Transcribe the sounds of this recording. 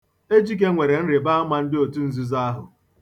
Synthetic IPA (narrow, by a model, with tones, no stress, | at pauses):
e˦d͡ʒi˦ɡe˦ŋʷe˨ɾe˨n̩˦ɾe˨ba˦a˦mʷa˦n̩˦dɪ˦o˨tu˦n̩˦zu˦za˦a˦ɦʊ˨